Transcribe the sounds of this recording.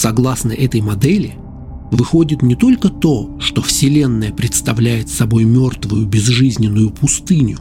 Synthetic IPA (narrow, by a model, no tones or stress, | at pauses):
sɐɡlˠasnəʔɛt̪əjmɐd̪ɛlʲɪ | vɨxo̞dʲɪt̪nʲɪt̪o̞lʲkət̪o̞ʂt̪o̞fsʲɪlʲe̞nːəjəpɾʲɪt̪st̪ɐvlʲæjɪt̪sɐbo̞jmʲo̞rt̪vʊjʊbʲɪzʐɨzʲnʲɪnːʊjʊpʊst̪ɨnʲʊ